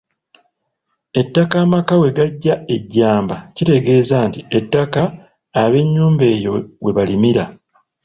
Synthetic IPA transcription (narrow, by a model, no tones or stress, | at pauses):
e̞tːakaːmakawe̞ɡaɟːae̞ɟːaːmbacite̞ɡe̞ːzaːntie̞tːakaː | βe̞ɲːuːmbe̞ːjo̞we̞βalimiɾa